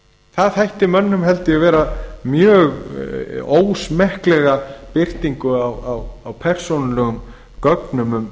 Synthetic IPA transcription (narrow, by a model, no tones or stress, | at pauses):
θaðhajht̪ɪmœnːʏmɦɛlt̪ɪavɛːɾamjœːɣ | oːwsmɛhklɛɣapɪr̥t̪iŋkʏawawawpʰɛr̥sonalɛɣʏm | kœknʏmʏm